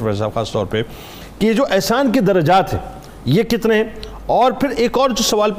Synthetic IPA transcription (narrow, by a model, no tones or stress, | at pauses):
ʋɛs̬aːbxaːst̪ɔ̰ːɾpe | kijed͡ʒoːʔɛɦsaːnkid̪ɐɾɐd͡ʒaːt̪ɦɛ̰̃ː | jekɪt̪neɦɛ̃ | ɔːɾpʰɪɾeːkɔːɾd͡ʒosɐʋaːlp